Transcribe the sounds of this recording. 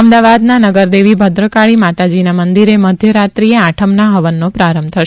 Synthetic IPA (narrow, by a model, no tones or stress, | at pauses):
əmd̪aʋad̪nanəɡəɾd̪eʋibʱəd̪ɾəkaɭimat̪ad͡ʒinamənd̪iɾeməd̪ʱjəɾat̪ɾieaʈʰəmnaɦəʋənːopɾaɾəmbt̪ʰəʃ